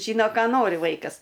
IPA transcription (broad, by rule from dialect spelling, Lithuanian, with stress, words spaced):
ˈʒʲiːnoː ˈkɑː ˈnoːrʲɪ ˈʋɐɪkɐs